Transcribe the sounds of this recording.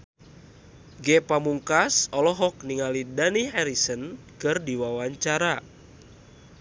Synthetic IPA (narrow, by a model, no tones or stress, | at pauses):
ɡɛpamuŋkasɔlɔɦɔk̚niŋalidaniɦɛɾisən | kɨrdiwawaɲt͡ʃaɾa